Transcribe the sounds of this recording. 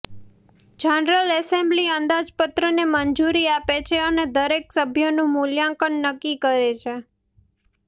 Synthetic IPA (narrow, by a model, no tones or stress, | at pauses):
d͡ʒanɾəlɛsẽmbliənd̪ad͡ʒpət̪ɾəneməɲd͡ʒuɾiapet͡ʃʰeəned̪əɾeksəbʱjonũmuljãŋkənːəkːikəɾet͡ʃʰe